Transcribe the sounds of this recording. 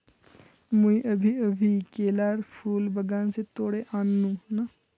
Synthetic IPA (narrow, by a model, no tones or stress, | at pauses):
muĩːʔəbʱiːəbʱiːkeːlaːɾpʰuːlbəɡãːnseːt̪oːɽeːʔaːnːũːna